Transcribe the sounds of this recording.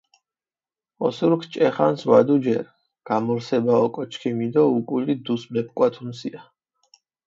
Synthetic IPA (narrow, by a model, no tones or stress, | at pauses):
ɔsuɾkʰt͡ʃʼɛχanswad̪ud͡ʒɛɾ | ɡ̥amɔɾsɛbaɔkʼɔt͡ʃʰkʰimid̪ɔukʼulid̪usmɛp̚ʰkʼwat̪ʰunsia